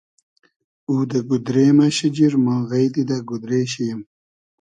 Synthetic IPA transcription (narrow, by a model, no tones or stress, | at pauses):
uːd̪ɐɡud̪ɾeːmaɕid͡ʑiɾmãːɣɐjt̪id̪aɡud̪ɾeːɕijɐm